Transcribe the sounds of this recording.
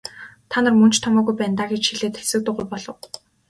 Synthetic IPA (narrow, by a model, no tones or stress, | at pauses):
t̪ʰanə̆rmɵn̥t͡ɕt̪ʰɔmɔːɣujpæːnt̪aːɡet͡ɕxiɮeːt̪xesɘ̆k̚t̪ʊ̆ɢujpɔɮɞ̆w